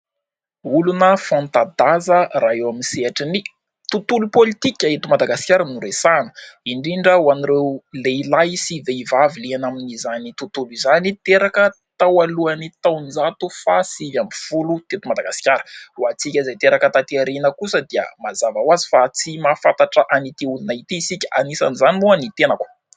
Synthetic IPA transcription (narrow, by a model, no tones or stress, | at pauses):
ulunəfãnt̪ad̪azəɾaewaminseaʈ͡ʂini | t̪ut̪ulupolit̪ikʲaet̪umad̪aɡasi̥kʲaɾənuɾesanə̥iɳɖ͡ʐiɳɖ͡ʐəwaniɾewleilajsiveivavilianaminizanit̪ut̪uluizanit̪eɾakə | t̪awaluanit̪awnd͡zat̪ufasivjamifulut̪et̪umad̪aɡasi̥kʲaɾə̥uat͡sikʲəzajt̪eɾakət̪at̪eaɾenəkusəd̪iə̰mazavawazifat͡simafat̪aʈ͡ʂəʔanit̪iulunait̪isikʲa̰nisa̰nizanimuanit̪enakwə̥